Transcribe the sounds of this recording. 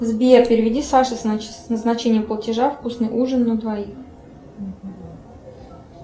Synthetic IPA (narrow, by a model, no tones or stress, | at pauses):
zbʲɪjepʲɪɾʲɪvʲɪdʲisaʂɨssnəznɐt͡ɕenʲɪjəmplˠətʲɪʐafkusnɨjʔuʐɨnːəd̪vɐix